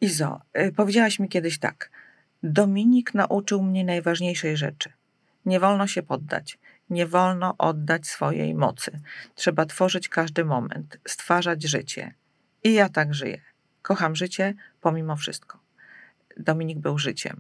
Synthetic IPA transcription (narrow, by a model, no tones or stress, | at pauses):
izɔ̰pɔvʲed͡ʑawɛɕmʲikʲjɛd̪ɘɕt̪a̰k | d̪ɔmʲiɲikna̰ʔut͡ʂɘwmɲɛnajvaʐɲejʂɛjʐɛ̰t͡ʂɘ̥ | ɲɛvɔlnɔɕɛpɔd̪ːa̰t͡ɕ | ɲɛvɔlnɔʔɔd̪ːat͡ɕsfɔjḛjmɔ̰t̪sɘtʂɛbat̪fɔʐɘt͡ɕkaʐd̪ɘmɔmɛ̰nt̪st̪faʐad͡ʑʐɘ̰t͡ɕɛ̰ | ijat̪aɡʐɘ̰jɛ | kɔxamʐɘt͡ɕɛpɔmʲimɔfʂɘ̰st̪̚kɔ̥ | d̪ɔmʲiɲiɡ̚bɘwʐɘt͡ɕɛ̰m